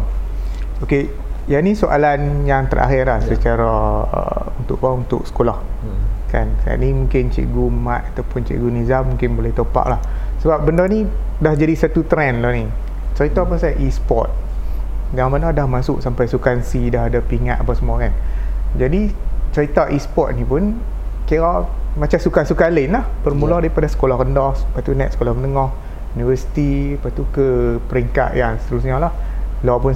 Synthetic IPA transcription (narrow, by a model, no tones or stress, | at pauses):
oke | janisoʔa̰lanjaŋt̪əra̰xɪɾlahsət͡ʃaɾa̰ | unt̪ʊ̰kʔ̚baunt̪ʊ̰k̚sə̥kolah | kansaa̰ʔnimũŋkɪnt͡ʃḭʔɡumaʔ̪̚at̪awpʊnt͡ʃḭʔɡunizamːũŋkɪnbolɛht̪opa̰ʔlahsəbap̚bəndani | dahd͡ʒadisat̪ut̪ɾɛnlani | t͡ʃəɾit̪ɔpasaʔispɔ̰t̪̚ | jaŋbəndɔdahmasʊʔsampajsukansidaɦadapiŋat̪̚apasəmuakand͡ʒadit͡ʃəɾit̪aʔispɔt̪̚nipʊn | kiaʔmat͡ʃamsukasukalənlahbərmulɔdaɾipadasə̥kolɔhkəndɔhspat̪unɛt̪̚sə̥kolɔhmənəŋɔh | univəsi̥t̪ipat̪ukəpəɾiŋka̰ʔ̪jaŋsə̥t̪əɾusɲalahlɔpʊn